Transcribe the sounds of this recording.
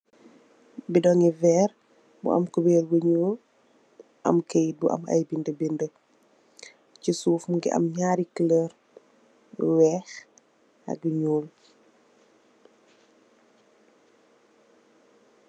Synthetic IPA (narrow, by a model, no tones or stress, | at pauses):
bidɔŋivɛɾ | bṵɐ̰mkubɛːɾwuɲuːl | ʔɐ̰mkej̚buʔɐ̰mɐ̰jbindəbində | cisuːfmuŋɡḭɐ̰mɲaːɾikiləɾ | wɛːx | ɐ̰ɡ̚uɲuːl